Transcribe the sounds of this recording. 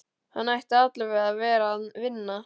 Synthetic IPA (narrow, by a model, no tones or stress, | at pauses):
hanːajht̪ɪat̪lɪɾvɛɣðavɛːɾanvɪnːa